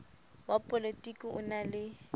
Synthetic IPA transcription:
wapʼolitʼikʼiʔʊ̰nalɪ

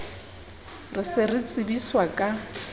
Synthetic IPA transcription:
rɪsɪrɪt͡sʼɪbiswakʼa

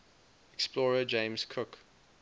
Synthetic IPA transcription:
ɛksplɔɹəd͡ʒẽɪ̃mz̥kʰʊk

